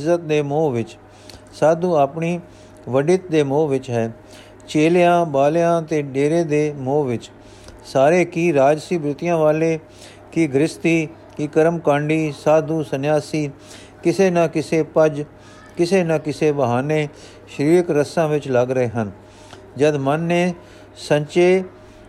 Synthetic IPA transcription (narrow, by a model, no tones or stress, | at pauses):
zət̪̚d̪eːmoːʋɪt͡ʃ | saːd̪ũːaːpɳiː | ʋəɖɪt̪̚d̪eːmoːʋɪt͡ʃɦɛː | t͡ʃeːljãːbaːljãːt̪eːɖeːɾeːd̪eːmoːʋɪt͡ʃ | saːɾeːkiːɾaːd͡ʒsiːbɾɪt̪ɪjãːʋaːleː | kiːɡɾɪst̪iː | kiːkəɾəmkãːɳɖiːsaːd̪uːsənjaːsiː | kɪseːnãːkɪseːpəd͡ʒ | kɪseːnãːkɪseːbəɦaːneː | ʃəɾiːɾɪkɾəsãːʋɪt͡ʃləɡɾəeːɦən | d͡ʒəd̪mənːeː | səɲt͡ʃeː